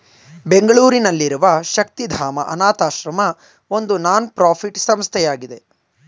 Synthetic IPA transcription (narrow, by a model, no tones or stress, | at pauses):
be̞ŋɡɐɭuːɾinɐlːiɾuʋɐʃɐk̚t̪id̪ʱaːmɐ̰ʔɐnaːt̪aːʃɾɐmɐ | o̞nd̪unaːnpɾaːpʰiʈsɐmst̪ʰɛjaːɡid̪e̞